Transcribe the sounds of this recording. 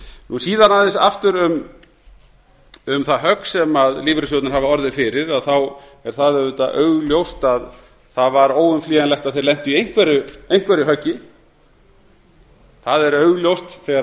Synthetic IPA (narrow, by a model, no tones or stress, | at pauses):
nusiːðanaðɪnsaft̪ʏɾʏm | ʏmθaɦœksɛmaðliːvɾɪsjowt̪naɾhavaɔɾðɪfɪɾɪɾaðθaw | ɛɾ̥θaðɛʏt̪aʔœːɥɣljowst̪að | θavaɾoːwʏmfliːɣanlɛht̪aðθejɾlɛn̥t̪ʏiejŋ̥kvɛɾʏejŋ̥kvɛɾɪɦœcːɪ | θaðɛɾœɥɣljowst̪θɛɣa